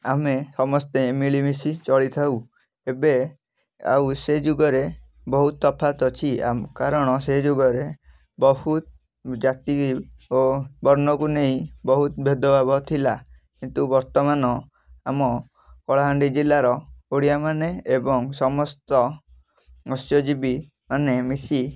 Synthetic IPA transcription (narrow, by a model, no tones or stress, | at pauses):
amesɔmɔst̪emiɭimisit͡ʃɔɭit̪ʰaw | ebe | a̰wsed͡ʒuɡɔɾe | bɔɦut̪ɔpʰat̪ɔt͡ʃʰia̰mkaɾɔɽ̃ɔsed͡ʒuɡɔɾe | bɔhut̪̚ | d͡ʒat̪iiobɔɾnɔkuneɦĩbɔɦut̪bʱed̪ɔbabɔt̪ʰila | kint̪ubɔɾt̪ɔmanɔ | amɔ | kɔɭaɦaɳɖid͡ʒilaɾɔoɽiamaneebɔŋsɔmɔst̪ɔ | ɔsjɔd͡ʒibi | manemisi